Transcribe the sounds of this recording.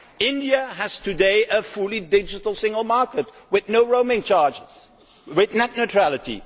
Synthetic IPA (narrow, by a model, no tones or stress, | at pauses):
ɪ̃ndiəəz̥tʰɨdeɪʔəfulˠidɪd͡ʒɨtl̩ˠsɪ̃ŋɡəl̩ˠmɑɹkət̚ | wɪðnoʊɹoʊmẽnt͡ʃɑɹd͡ʒɪz̥ | wɪðnætⁿnotʰɹ̥ælˠɨtʰḭ